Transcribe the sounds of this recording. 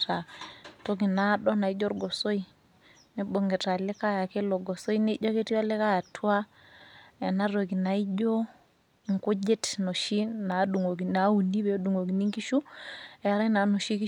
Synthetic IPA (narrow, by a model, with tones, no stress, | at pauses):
ta˨to˦k̬i˨na˨˦ɗɔ˦na˨i˦d͡ʒɔ˦ɾɡɔ˨so˦i˦ | ne˦bo˨ŋɡe˨ta˨le˦ka˦ja˨ke˦lo˨ɡɔ˨so˦i˦ne˦d͡ʒɔ˦ke˦ti˦ɔ˦le˦ka˦ja˨tʰwa˦ | ɛ˨na˦ɾo˨ki˨na˨i˦d͡ʒo˦˨ | ŋ˨kʊ˦d͡ʒe˦tno˨ʃi˦na˨du˨ŋo˨ki˨na˨˦u˨ni˦be˨o˦du˨ŋo˨ki˨ni˦ŋki˦ʃu˦ɛ˨˦ɾa˦na˨˦no˨ʃi˦ki˦